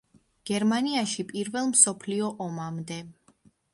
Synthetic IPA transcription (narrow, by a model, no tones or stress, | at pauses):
ɡ̥ɛɾmaniaʃipʼiɾvɛlˠmsɔpʰliɔʔɔmamd̪ɛ